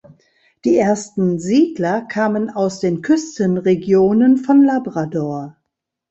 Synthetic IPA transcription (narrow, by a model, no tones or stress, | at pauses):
d̥iːʔeːɐstn̩ziːdlɐkʰaːmənaʊsd̥eːnkʰʏstənʁeɡjoːnənfɔnlabʁadɔɐ